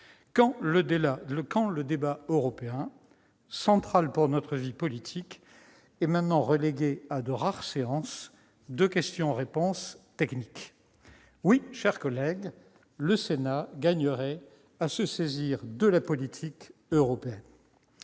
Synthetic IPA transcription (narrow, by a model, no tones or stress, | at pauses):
kɑ̃ləaləkɑ̃ləd̪ebaøʁɔpeɛ̃ | sɑ̃t̪χalpuʁnɔt̪χəvipɔlit̪ʰik | ɛmɛ̃t̪nɑ̃ʁəleɡead̪əʁaʁseɑ̃s | d̪əkʲɛst̪jɔ̃ʁepɔ̃st̪ɛknik | wiʃɛʁkɔlɛɡ | ləsenaɡaɲəʁɛ | asəseziʁd̪əlapɔlit̪ʰikøʁɔpeɛn